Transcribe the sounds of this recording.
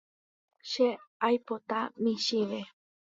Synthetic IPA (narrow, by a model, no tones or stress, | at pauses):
ʃeajpot̪amiʃiβe